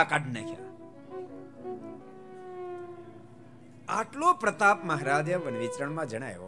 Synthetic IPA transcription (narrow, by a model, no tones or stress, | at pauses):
akaɖʱnəkʰja̰ | a̰ʈlopɾət̪apməɦɾad͡ʒəʋənʋit͡ʃɾəɳmãd͡ʒəɽ̃a̰jo̰